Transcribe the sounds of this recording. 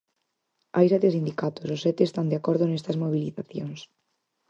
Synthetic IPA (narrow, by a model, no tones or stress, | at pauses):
ajsɛt̪esind̪ikat̪ososɛt̪eːst̪and̪eakɔɾðʊnest̪ɐzmoβ̞iliθaθjoŋs